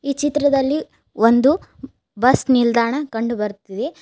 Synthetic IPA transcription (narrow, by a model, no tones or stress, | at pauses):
iːt͡ʃit̪ɾɐd̪ɐlːi | ond̪u | bɐsnild̪aːɳɐkɐɳɖubɐɾt̪id̪e